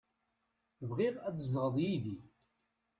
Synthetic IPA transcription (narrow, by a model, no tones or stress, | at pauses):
θəvʁiʁæd̪əzlʁəðˤjiði